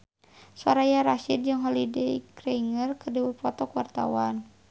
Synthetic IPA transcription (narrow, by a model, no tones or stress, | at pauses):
saɾajaɾaʃid̪̚d͡ʒɨŋɦɔlidɛikɾɛiŋərkərdəwupɔt̪ɔkuwart̪a̰wan